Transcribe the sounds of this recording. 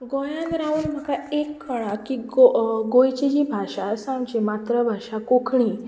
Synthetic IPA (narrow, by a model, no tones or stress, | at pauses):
ɡojãnɾauːnm̤əkaekʰːəɽ̃ãkiɡoɡojt͡ɕid͡ʑibʱaʂasãɳt͡ɕemat̪ɾəbʱaʂakokʰɳiː